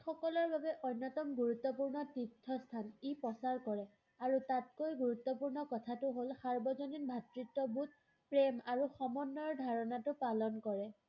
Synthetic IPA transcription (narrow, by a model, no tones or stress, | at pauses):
xɔkɔlɔɹbʱabɛʔɔnːɔtɔmɡuɹut̪ːɔpuɹnɔtitʰːɔstʰanipɔsaɹkɔɹɛ | aɹutatkojɡuɹut̪ːɔpuɹnɔkɔtʰatʊɦolxaɹbɔzɔninbʱatɹitːɔbut̚ | pɹemaɹuxɔmɔnːɔɹdʱaɹɔnatʊpalɔnkɔɹɛ